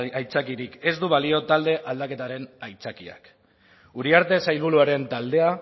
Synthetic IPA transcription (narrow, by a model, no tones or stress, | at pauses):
ajt͡sakiɾike̞zd̪uβalio̞t̪ald̪e̞ʔald̪ake̞t̪aɾe̞najt͡sakia̰k | uɾiaɾt̪e̞sajlβuluaɾe̞nt̪ald̪e̞a